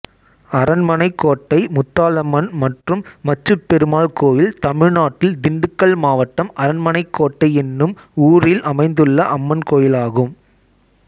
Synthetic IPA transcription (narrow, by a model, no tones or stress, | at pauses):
ɐɾɐnmɐnɐɪkːoːʈːɐɪmʊt̪ːaːlɐmɐnmɐʈrɯmːɐt͡ʃːɯpːɛɾɯmaːlkoːjɪlt̪ɐmɪɻnaːʈːɪld̪ɪɳɖɯkːɐlmaːʋɐʈːɐmɐɾɐnmɐnɐɪkʰːoːʈːɐɪɛnːɯm | uːrɪlʔɐmɐɪnd̪ɯɭːɐʔɐmːɐnkoːjɪlaːɣɯm